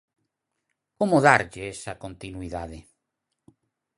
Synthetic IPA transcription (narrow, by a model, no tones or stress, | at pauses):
komoðaɾʎeesakõnt̪inwiðaðe